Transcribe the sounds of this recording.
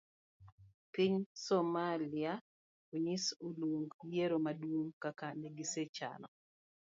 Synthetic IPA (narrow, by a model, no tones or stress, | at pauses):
piɲsɔmalia | oɲisuluŋɡjeɾomadwuŋkakaneɡiset͡ʃa̰nɔ